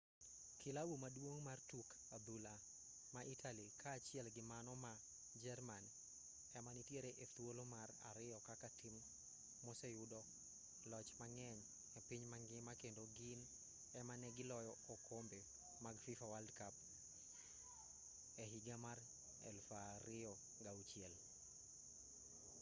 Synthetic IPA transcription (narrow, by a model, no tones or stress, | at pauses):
kʰɪlawumadwoŋmartuk | ad̪ula | maʔitʰalikʰaːt͡ʃjɛlɡɪmanɔma | d͡ʒɛrman | ɛmanitjeɾeʔet̪wolomara̰ɾɪjɔkakatim | mɔsɛjʊdɔ | lɔt͡ʃmaŋɛɲ | epiɲmaŋɡɪmakendoɡɪn | ɛmanɛɡɪlɔjɔokʰombe | maɡfifawaldkap̚ | ɛɦiɡamar | ɛ̰lfaɾɪɔ | ŋɡaut͡ʃiɛl